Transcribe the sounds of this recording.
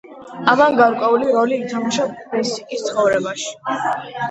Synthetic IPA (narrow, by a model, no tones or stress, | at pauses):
amanɡaɾkʼwɛuliɾɔliːt̪ʰamaʃaɛsikʼist̪sʰχɔvɾɛbaʃi̥